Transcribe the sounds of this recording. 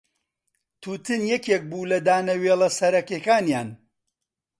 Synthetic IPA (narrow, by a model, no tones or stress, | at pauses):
t̪ʰuːt̪ʰɨnjɛkeːk̚buːlɐd̪aːnɐweːlˠɐsɐɾɐkeːkaːnjaːn